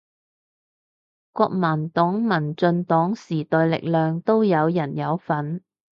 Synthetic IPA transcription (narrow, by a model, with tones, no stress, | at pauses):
kʷɔ̰ː˧k̚maː˨˩nt̪ɔː˨˥ŋmɐ˨˩nt͡sɵ˧nt̪ɔː˨˥ŋsiː˨˩t̪ɔː˨˧jlɪ̰˨k̚lœː˨ŋt̪o˥wjɐ˨˧wjɐ˨˩njɐ˨˧wfɐ˨˥n